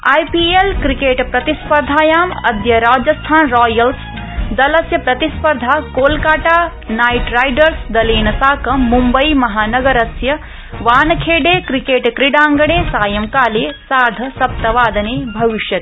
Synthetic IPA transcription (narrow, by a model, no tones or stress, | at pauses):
aːjpiːelkɾikeːʈpɾɐt̪ispɐɾd̪ʱaːjaːmɐd̪jɐɾaːd͡ʒɐst̪ʰaːnɾɔːjɐls | d̪ɐlɐsjɐpɾɐt̪ispɐɾd̪ʱaːkoːlkaːʈaː | naːjʈɾaːjɖɐɾsd̪ɐliːnɐsaːkɐmːumbɐjmɐɦaːnɐɡɐɾɐsjɐ | ʋaːnɐkʰeːɖeːkɾikeːʈkɾiɖaːŋɡɐɳ̃ẽːsaːjɐmkaːleːsaːd̪ʱɐsɐp̚t̪ɐʋaːd̪ɐneːbʱɐʋiʃjɐt̪̚